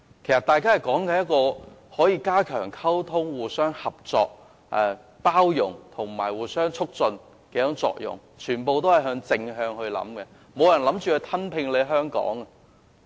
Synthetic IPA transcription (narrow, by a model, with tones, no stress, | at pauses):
kʰe˨˩jsɐ˨t̪aː˨˧jkaː˥hɐ˨jkɔː˨˥ŋkɛ˧jɐ˥t̚kːɔː˧hɔː˨˥jiː˧kaː˥kʰœː˨˩ŋkʰɐ˥wt̪ʰʊ˥ŋwuː˨˩sœː˥ŋhɐ˨p̚t͡sɔ̰ː˨˧k̚ | ʔɛ˨˧ | paː˥wjʊ̰˨˩ŋt̪ʰʊ˨˩ŋmaː˨˩jwuː˨˩sœː˥ŋt͡sʰʊ˥k̚t͡sɵ˧n | kɛː˨˧˥jʊ˨˥ŋt͡sɔ̰ː˧k̚jʊ̰˨˩ŋ | t͡ʃʰyː˨˩npo˨˧wt̪o˥wɐ˨jɦœː˧ŋt͡sɪ˧ŋɦœː˧ŋhɵ˧ɥlɐ̰˨˥mkɛ˧ | mo˨˧wjɐ˨˩nlɐ˨˥mt͡ʃyː˨˩ɵ˧jt̪ʰɐ˥npʰɪ˧ŋle˨˧ɦœː˥ŋkɔ̰ː˨˥ŋɐ˨